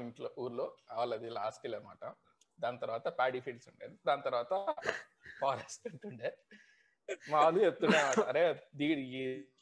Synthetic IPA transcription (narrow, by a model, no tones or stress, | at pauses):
iɳʈloːʔuːɾloːɐʋɐlɐd̪ilaːsʈiːlɐnma̰ːʈɐm | d̪aːnt̪ɐɾʋaːt̪ɐpaːɽiːpʰiːlɖsuɳʈend̪id̪aːnɐt̪ɐɾʋaːt̪ɐ | pʰaːɾesʈuɳʈuɳɖeː | maːlut͡ʃep̚t̪ːuɳɖeːnmaːʈɐɾeːd̪iːɽɡi